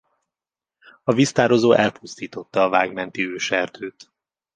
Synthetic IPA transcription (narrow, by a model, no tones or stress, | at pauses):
ɒvist̪aːɾo̞zoːʔɛlpust̪iːt̪o̞t̪ːɒːvaːɡmɛnt̪iøːʃɛrt̪ʰøːt̪